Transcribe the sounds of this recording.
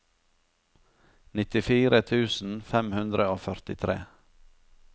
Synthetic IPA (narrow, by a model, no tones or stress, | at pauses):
nɪt̪ɪfiːɾʔət̪ʰʉːsn̩fɛmhʉnd̪ɾəoːfœɾt̪ɪt̪ʰɾḛː